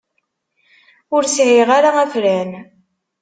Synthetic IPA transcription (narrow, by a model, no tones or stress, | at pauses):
ʊɾsʕiʁaɾaæfɾæn